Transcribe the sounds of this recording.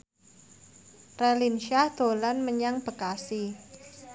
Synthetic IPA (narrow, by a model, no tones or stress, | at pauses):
relinʃad̪̥o̤lanməɲaŋb̥ə̤kasi